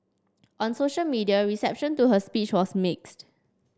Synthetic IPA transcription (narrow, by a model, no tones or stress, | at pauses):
ʔɔ̃nsoʃəlmidiaɹisɛp̚ʃə̃ntuɦəspit͡ʃwɔsmɪkst